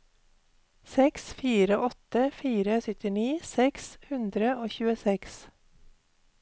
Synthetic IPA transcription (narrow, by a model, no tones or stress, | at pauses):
sɛksfiːɾəʔɔt̪əfiːɾəsʏt̪ɪniːsɛkshʉnd̪ɾəoːçʉːəsɛks